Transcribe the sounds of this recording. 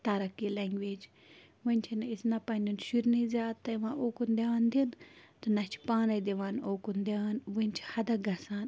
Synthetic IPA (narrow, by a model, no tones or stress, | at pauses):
t̪ɐɾɐkːileŋɡʋeːd͡ʒ | ʋɐnʲt͡ʃʰinisnɐpɐnʲunʃiɾnɐizʲaːd̪̚t̪ɐjʋãʔoːkund̪ʲaːnd̪int̪ɨnɐt͡ʃʰi̥paːnɐjd̪iʋanoːkund̪ʲaːnʋɐnʲt͡ʃʰi̥hɐd̪ɐɡɐsaːn